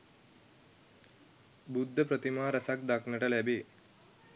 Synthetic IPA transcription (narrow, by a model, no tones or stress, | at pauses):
bud̪ʱːɐpɾɐt̪imaːɾɐsak̚d̪ɐknɐʈɐlebi